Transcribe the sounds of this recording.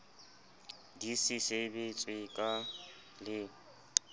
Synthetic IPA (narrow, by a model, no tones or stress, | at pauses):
disisebet͡sʼwɪkʼa | lɪ